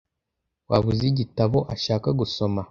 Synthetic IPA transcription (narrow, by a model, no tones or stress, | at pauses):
waβuziɟitaβo̞ʔaʃaːkaɡuso̞ma